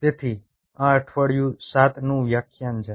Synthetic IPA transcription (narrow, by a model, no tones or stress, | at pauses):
t̪et̪ʰi | ãəʈʰʋəɽjũsat̪nũjakʰjand͡ʒə